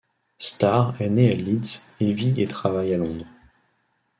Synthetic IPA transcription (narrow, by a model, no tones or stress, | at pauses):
st̪aʁɛnealid̪silviet̪χavajalɔ̃d̪ʁ